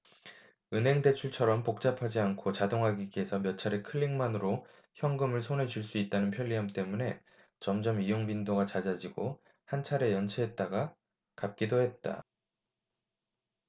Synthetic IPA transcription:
ɯnɦe̞ŋde̞t͡ɕʰuɭt͡ɕʰʌɾʌmpok̚t͡ɕ͈apʰad͡ʑiankʰot͡ɕadoŋɦaɡiɡe̞sʰʌmjʌt͡ɕʰaɾe̞kʰɯɭːiŋmanɯɾo | çjʌŋɡɯmɯɭsʰonɦe̞d͡ʑuɭs͈uit̚t͈anɯnpʰjʌʎːiɦamt͈e̞mune̞ | t͡ɕʌmd͡ʑʌmijoŋbindoɡat͡ɕad͡ʑad͡ʑiɡo | hant͡ɕʰaɾe̞jʌnt͡ɕʰeɦet̚t͈aɡa | kap̚k͈idohe̞t̚t͈a̰

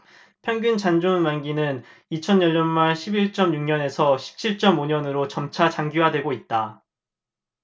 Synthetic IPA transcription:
pʰjʌŋɡunt͡ɕand͡ʑonmanɡinɯnit͡ɕʰʌnjʌʎːʌnmaɭɕʰibiɭt͡ɕ͈ʌmɲuŋɲʌne̞sʰʌɕʰi̥p̚t͡ɕʰiɭt͡ɕ͈ʌmoɲʌnɯɾot͡ɕʌmt͡ɕʰat͡ɕaŋɡiwadwe̞ɡoit̚t͈a

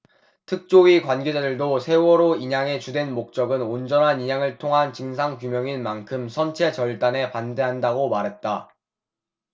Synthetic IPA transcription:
tʰɯk̚t͡ɕ͈oɥikwanɡe̞d͡ʑadɯɭdosʰe̞wʌɾoiɲaŋe̞t͡ɕudwe̞nmok̚t͡ɕ͈ʌɡɯnond͡ʑʌnɦaniɲaŋɯɭtʰoŋɦant͡ɕɯŋsʰaŋkumjʌŋinmankʰɯmsʰʌnt͡ɕʰe̞t͡ɕʌɭt͈ane̞pande̞ɦandaɡomaɾɦe̞t̚t͈a

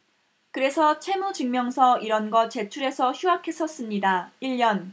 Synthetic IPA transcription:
kɯɾe̞sʰʌt͡ɕʰe̞mut͡ɕɯŋmjʌŋsʰʌiɾʌnɡʌt͡ɕe̞t͡ɕʰuɾe̞sʰʌçuɦakʰe̞s͈ʌs͈ɯmɲidaiʎjʌn

